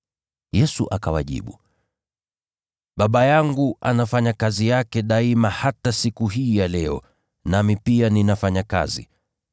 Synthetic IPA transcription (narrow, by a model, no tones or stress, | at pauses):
jɛsuʔakawaʄḭɓṵ | ɓaɓajaŋɡuʔa̰nafaɲakazijakɛɗaimahatasikuɦiːjalɛɔ̰ | namipianinafaɲaka̰zḭ